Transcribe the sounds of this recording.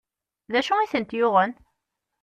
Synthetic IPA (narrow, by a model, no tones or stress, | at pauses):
ðæʃuiθənt̪jʊʁən